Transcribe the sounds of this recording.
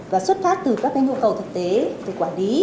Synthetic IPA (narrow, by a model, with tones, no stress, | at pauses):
vaː˨˩swə˦˥t̚faː˦˥k̚t̪ɨ˨˩kaː˦˥k̚ːa˧ŋɲu˧əwkə˨˩wt̪ʰɨ˨˩k̚t̪e˨˦ve˨˩kwaː˧˩nli˨˦